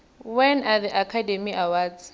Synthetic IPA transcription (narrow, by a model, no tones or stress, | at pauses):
wɛnaðiʔakʰademiʔawa